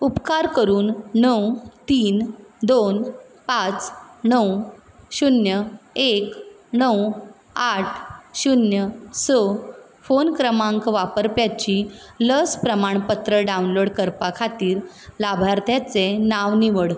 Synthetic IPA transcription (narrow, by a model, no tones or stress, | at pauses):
upkaɾkəɾuːnːəwt̪iːnd̪onpat͡snəw | ɕunjəek | nəw | aʈʰɕunjəsɔ | fonkɾəmãŋkʋapəɾpjat͡ɕiləspɾəmaɳpət̪ɾəɖaunloɽkəɾpakʰat̪iːɾ | labʱaɾt̪jat͡senaʋniʋəɽ